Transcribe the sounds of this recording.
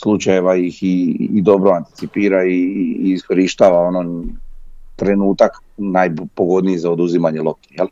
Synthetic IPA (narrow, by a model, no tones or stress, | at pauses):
slˠut͡ʃajeʋaixiːd̪o̞bɾoant̪i̥t̪sipiːɾaiːsko̞ɾiʃt̪aːʋao̞no | t̪ɾe̞nuːt̪aknajpoɡo̞d̪nijizaod̪uzimaɲelˠo̞k̚t̪injel